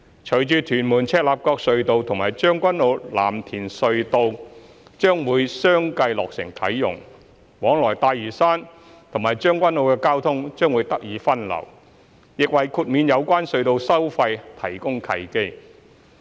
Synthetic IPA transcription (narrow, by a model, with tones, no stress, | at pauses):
t͡ʃʰɵ˨˩jt͡ʃyː˨˧t̪ʰyː˨˩nmuː˨˩nt͡sʰɛː˧t̚laː˨˩p̚kɔː˧k̚sɵ˧ɥt̪o˧wt̪ʰʊ˨˩ŋmaː˨˩jt͡ʃœː˥ŋkʷɐ˥nlo˨˧wla̰ː˨˩mt̪ʰiː˨˩nsɵ˧ɥt̪o˧w | t͡ʃœː˥ŋwuː˨˧˥jsœː˥ŋkɐ˧jlɔː˨k̚sɪ˨˩ŋk̪ʰɐ˨˥jːʊ̰˨˩ŋ | wɔː˨˥ŋlɔː˨˩jt̪aː˧jjyː˨˩saː˥n | t̪ʰʊ˨˩maː˨˩jt͡ʃœː˥ŋkʷɐ˥nlo˨˧wkɛː˧kaː˥wt̪ʰʊ˥ŋt͡ʃœː˥ŋwuː˨˧˥jt̪ɐ˥k̚jiː˨˧˥fɐ˥nlɐ̰˨˩w | jɪ˨k̚wɐ˨jkʰuː˧t̚miː˨˧njɐ˨˧wkʷaː˥nsɵ˧ɥt̪o˧wsɐ˥wfɐ˧jt̪ʰɐ˨˩jkʊ˥ŋkʰɐ˨˧jke˥j